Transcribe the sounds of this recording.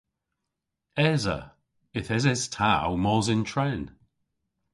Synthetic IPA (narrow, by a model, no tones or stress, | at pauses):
ɛzə̰ | ɪθɛzɛz̥tʰawmɔːzɪntʰɹɛn